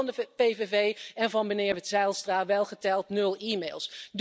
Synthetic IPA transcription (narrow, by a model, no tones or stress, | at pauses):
ndəpejvevejɛnvɑnbənɪːɹʋɛtsɛlˠstraːʋɛlˠχətɛlˠtnɵlˠiːmejlˠsd